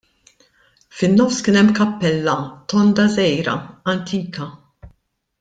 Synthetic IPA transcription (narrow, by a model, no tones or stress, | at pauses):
fɪnːɔfskɪːnɛmːkɐpːɛlːɐt̪ɔnd̪ɐzɛjɾɐ̰ɐnt̪ʰiːkɐ